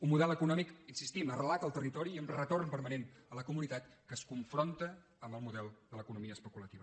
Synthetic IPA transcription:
ummuðɛləkunɔmikinsist̪imərəlakəlˠt̪ərit̪ɔɾiːəmrət̪ornpəɾmənenələkumunit̪at̪kəskuɱfɾont̪əː | mbəlˠmuðɛlˠd̪ələkunumiəspəkulət̪iβə

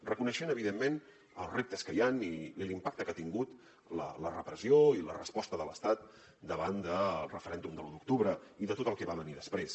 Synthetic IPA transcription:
rəkunəʃɛnəβ̞iðemːen | ə̰lˠzrep̚t̪əskəjaniilimpak̚t̪əkat̪iŋɡut̪ | lə̰lərəpɾəzioilərəspɔst̪əðələst̪at̪̚ | d̪əβand̪əlˠrəfəɾɛnd̪umd̪əlunuk̚t̪uβɾəiðət̪ot̪əlˠkɛβaβəniðəspɾes

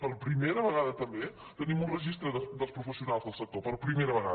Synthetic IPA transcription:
pəɾpɾimeɾəβəɣaðət̪əmbe | t̪ənimunrəʒist̪ɾəðəd̪əlˠspɾufəsiunalˠzðəlˠsək̚t̪opəɾpɾimeɾəβəɣa

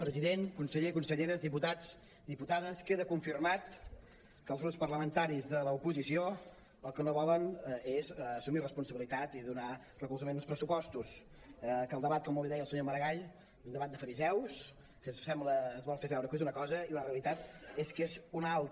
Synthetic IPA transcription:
pɾəziðenkunsəʎekunsəʎeɾəzðiput̪at͡s | d̪iput̪aðəskeðəkuɱfirmat̪̚ | kəlzɣɾutspərləmənt̪aɾizðələupuzisio | əlˠkənoβɔlənezːsumirəspunsəβilit̪at̪iðuna | rəkulˠzəmenˠspɾəsupɔst̪us | kəlˠd̪əβat̪̚kɔmuβeðɛjəlˠsəɲoməɾəɣaʎ | zund̪əβat̪̚d̪əfəɾizɛws | kəssɛmbləːzβɔlˠfefɛwɾəkezunəkɔzəiləreəlit̪at̪eskezunalˠt̪

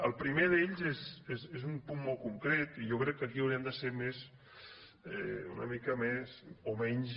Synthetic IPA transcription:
əlˠpɾimeðeʎzezezezumpunmːɔlˠkuŋkɾɛt̪iʒokɾɛkːəkiəwɾiəmd̪əseɾmez | ɛṵnə̰mikəmezomɛɲz

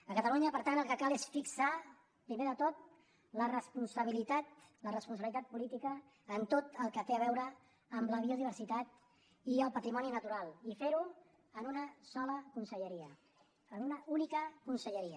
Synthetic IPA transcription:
əkət̪əluɲəpəɾt̪anəlˠkəkalesfiksa | pɾimeðət̪ot̪̚ | lərəspunsəβ̞ilit̪at̪ | lərəspunsəβilit̪at̪̚pulit̪ikəː | nt̪ot̪əlˠkət̪eəβɛwɾə | əmləβ̞iuðiβ̞əɾsit̪at̪ | iəlˠpət̪ɾimɔninət̪uɾalˠifeɾu | ənunəsɔləkunsəʎəɾiə | ənunəunikəkunsəʎəɾiə

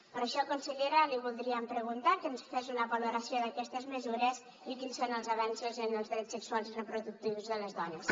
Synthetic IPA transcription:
pəɾəʃɔakunsəʎeɾəliβ̞ulˠd̪ɾiəmpɾəɣunt̪akənsfezunəβaluɾəsioðəkɛst̪əzməzuɾəz | ikinsonəlˠzəβɛnsuzənəlˠzðɾɛt͡ssəksualˠzirəpɾuðuk̚t̪iwzðələzðɔnəs

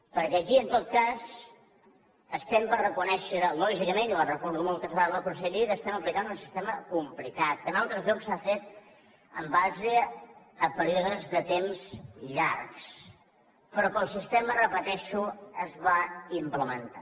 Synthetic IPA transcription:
pəɾkɛːkiənt̪ot̪̚kaz | əst̪ɛmpərrəkunɛʃəlɔʒikəmẽnilərəkɔɾðumɔlˠt̪əzβaləkunsəʎit̪əst̪ɛməplikanunsi̥st̪eməkumplikat̪̚kənalˠt̪ɾəzʎɔksafet̪̚ | ə̰mbaze | əpəɾiɔðəzðət̪emzʎaɾks | pɾɔkəlˠsist̪emərəpət̪ɛʃuəzβaimpləmənt̪a̰

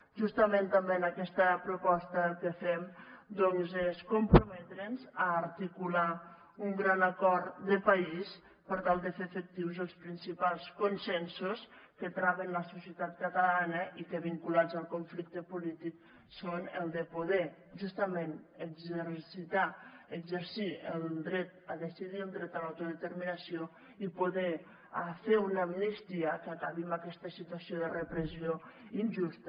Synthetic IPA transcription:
ʒust̪əment̪əmbeənəkɛst̪əpɾupɔst̪əkəfɛmd̪ɔnzeskumpɾumɛt̪ɾenzaːɾt̪ikula | uŋɡɾanakɔɾd̪əpais | pəɾt̪alˠd̪əfefək̚t̪iwzəlˠspɾinsipalˠskunsɛnsuskət̪ɾaβənləsusiət̪at̪̚kət̪əlanəʔikəβiŋkulad͡zəlˠkuɱflik̚t̪əpulit̪ik | sonəlˠd̪əpuðɛ | ʒust̪əmẽnəɡzeɾsit̪aəɡzəɾsiəlˠd̪ɾɛt̪əðəsiðiəlˠd̪ɾɛt̪alawt̪uðət̪əɾminasio | ipuðɛ | afeunəminəst̪iəkakaβimbakɛst̪əsit̪uasioðərəpɾəzioinʒust̪ə

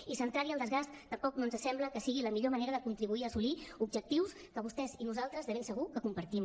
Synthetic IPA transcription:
isənt̪ɾaɾiəlˠd̪əzɣast̪ːəmpɔknonzəsɛmbləkəsiɣiləmiʎoməneɾəðəkunt̪ɾiβuiəːsuliubʒək̚t̪iws | kəβust̪ɛzinuzalˠt̪ɾəzðəβemsəɣ̞ukəkumpəɾt̪im

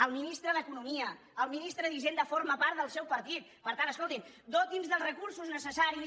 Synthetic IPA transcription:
əlˠminist̪ɾəðəkunumiə | əlˠminist̪ɾəðiʒend̪əfoɾməpaɾt̪d̪əlˠsɛwpəɾt̪it̪̚pəɾt̪anəskolˠt̪in | d̪ot̪̚d̪inzðəlˠzrəkuɾsuznəsəsaɾi

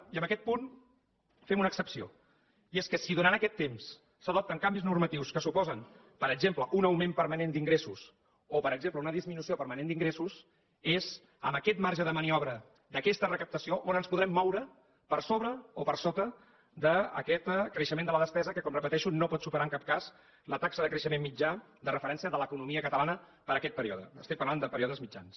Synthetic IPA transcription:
iəmbəkɛt̪̚pun | fɛmunəːksəpsio | ieskəsiðunanəkɛt̪ːems | səð̞ɔp̚t̪əŋkambiznurmət̪iwskəsupɔzən | pəɾəɡzempləʔunəwmempəɾmənend̪iŋɡɾesus | opəɾəɡzempləunəðizminusiopəɾmənend̪iŋɡɾesus | ez | ə̰mbəkɛt̪maɾʒəðəməniɔβ̞ɾə | d̪əkɛst̪ərəkəp̚t̪əsioʔonənspuðɾɛmːɔwɾə | pəɾsoβɾəopəɾsot̪ə | d̪ə̰ːkɛt̪kɾəʃəmẽnd̪ələðəspɛzəkəkɔmrəpət̪ɛʃunopɔt̪supəɾaəŋkap̚kas | lət̪aksəðəkɾəʃəmemmːid͡ʒa | d̪ərəfəɾɛnsiəðələkunumiəkət̪əlanə | pəɾəkɛt̪̚pəɾiɔðə̰əst̪ik̚pəɾland̪əpəɾiɔðəzmid͡ʒa̰ns

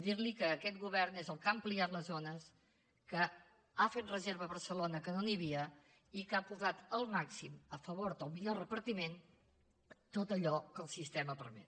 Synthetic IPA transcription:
ðiɾlikəːkɛt̪̚ɡuβɛɾnezəlˠkampliat̪ləzonəs | kə | afet̪̚rəzeɾβəβəɾsəlonəkənoniβiə | ikapuzat̪əlˠmaksiməfəβoɾd̪əlˠmiʎorəpəɾt̪imen | t̪ot̪əʎɔkəlˠsist̪ɛməpəɾmɛ̰t̪̚

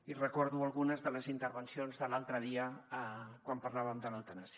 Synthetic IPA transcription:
irəkɔɾðualˠɣunəzðələzint̪əɾβənsionzðəlalˠt̪ɾəðiə | kwampaɾlaβəmd̪ələlˠt̪ənasi

